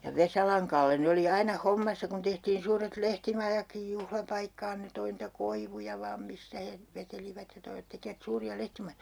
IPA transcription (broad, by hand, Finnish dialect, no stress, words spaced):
ʋesɑlɑŋ kɑlːe ne oli ɑinɑ homːɑsːɑ kun tehtiːn suːret lehtimɑjɑkːij juhlɑpɑikːɑːn ne toi nitæ koiʋujɑ ʋɑːm mistæ he ʋeteliʋæt jɑ toiʋɑ̆t tekiʋæt suːriɑ lehtimɑjojɑ̥